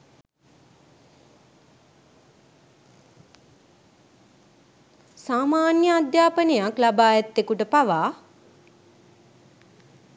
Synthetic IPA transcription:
saːmaːnjəad̪jaːpənejaklabaːjat̪ːekuʈəpaʋaː

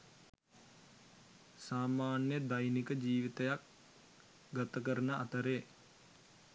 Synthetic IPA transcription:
saːmaːnjəd̪ajnikəd͡ʒiːʋit̪əjak̚ | ɡat̪əkəɾənəʔat̪əɾeː

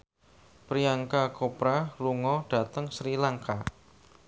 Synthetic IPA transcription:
pɾiaŋkakopɾaluŋɔɖ̥a̤t̪əŋsɾilaŋka

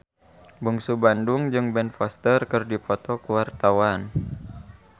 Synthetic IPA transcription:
buŋsubanduŋd͡ʒɨŋbɛnfɔst̪ərkɨrdipɔt̪ɔkuwart̪awan

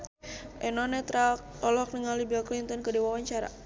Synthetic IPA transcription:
ʔɛnɔnɛt̪ɾalk | ɔlɔk̚nəŋalibaklint̪ɔnkədiwawaɲt͡ʃaɾa̰

